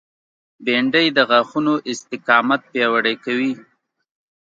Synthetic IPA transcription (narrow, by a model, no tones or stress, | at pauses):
beɳɖəjd̪əɣaxunoʔɪst̪ɪkɑmat̪̚pjɑwaɽajkawi